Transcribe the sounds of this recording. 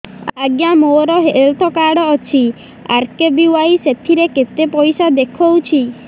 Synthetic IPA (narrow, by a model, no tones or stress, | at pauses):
aɡjamoɾɔɦelt̪ʰɔkaɽɔːt͡ʃʰi | a̰ɾkebiwajset̪ʰiɾeket̪epɔjsad̪ekʰɔwt͡ʃʰi